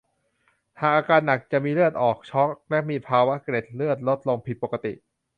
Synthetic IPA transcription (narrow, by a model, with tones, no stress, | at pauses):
haː˨˩k̚ʔaː˧kaː˧nːa˨˩k̚t͡ɕa˨˩miː˧lɯ˥˩ət̪̚ʔɔː˨˩k̚t͡ɕʰɔ˦˥k̚lɛ˦˥miː˧pʰaː˧wa˦˥ʔkɾe˨˩t̪̚lɯ˥˩ət̪̚lo˦˥t̪̚lo˧ŋpʰi˨˩t̪̚po˨˩ka˧t̪i˨˩ʔ